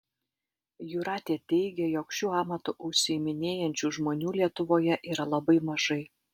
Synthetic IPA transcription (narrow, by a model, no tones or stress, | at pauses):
juɾɑːt̪ʲeːt̪ʲɛɪɡʲɛjokʃʲuːɑːmɐt̪ʊʔʊʃʲsʲɪɪmʲɪnʲeːjɛnʲt͡ʃʲuːʒmoːnʲuːlʲiɛt̪ʊʋoːjɛʔiːɾɐlˠɐbɐɪmɐʒɐɪ